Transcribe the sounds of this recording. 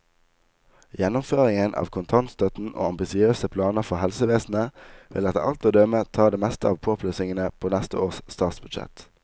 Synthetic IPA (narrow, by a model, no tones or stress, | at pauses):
jɛnʊmføːʁɪŋənʔɑ̰ːʋkʰʊnt̪ʰɑnt̪st̪œt̪n̩ʔo̰ːɑmbɪsɪøːsəpʰlɑːnəʁfɔhɛlsəʋeːsn̩əʋɪ̰lɛt̪ɑ̰lt̪oːd̪œmət̪ʰɑːd̪eːmɛst̪əɑːʋpʰoːpʰløːsɪŋənəpʰoːnɛst̪əoːʁsst̪ɑːt̪sbʉd̪ʃɛ̰t̪